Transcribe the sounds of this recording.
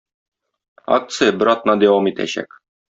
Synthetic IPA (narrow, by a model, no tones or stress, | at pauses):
ɑ̰k̚t̪sɨjɤbɘɾɑt̪nɑd̪æwɑmit̪æ̰ɕæ̰k